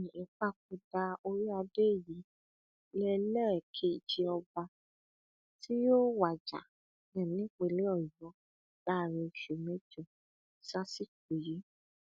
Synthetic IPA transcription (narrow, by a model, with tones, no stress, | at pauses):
i˨k͡pa˦˨k͡p̚u˧da˧o˧ɾi˦a˧de˦˨ji˨˦ | lɛ˧˦lɛ̃˦ɛ˨kʰe˨˦i˨t͡ʃi˧ɔ˧ba˧ | ti˦jo˦wa˨d͡ʒa̰˨ | nɛ̃˨nĩ˦˨k͡pe˧˨le˦ɔ˦˨jɔ˨˦ | d̥a˦˨ɾĩ˧˨ʃu˨mɛ̃˨˦d͡ʒɔ̃˦˨ | sa˦si˦k̚u˨ji˨˦